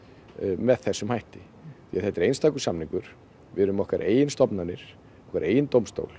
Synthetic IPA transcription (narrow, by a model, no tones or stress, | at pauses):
mɛðθɛsːʏmhajht̪ɪ | θiːaðθhɛht̪ɪɾejnst̪aːkʏ̥samnĩŋkʏɾ̥ | vɪɾʏmɔhkaɾʔḛːjɪnst̪ɔpnanɪɾ̥ | ɔ̥hkaɾʔeːjɪnt̪owmst̪o̰wl̥